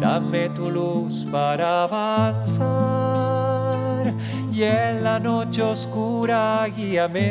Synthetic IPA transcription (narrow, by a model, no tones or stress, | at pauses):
d̪amet̪uluspaɾaβansa | ɾ | jenlano̞t͡ʃeoskuɾaɣiame